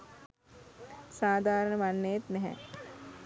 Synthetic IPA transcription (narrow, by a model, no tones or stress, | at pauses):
saːd̪ʱaːɾəɳəʋanːejət̪nɛɦɛ̰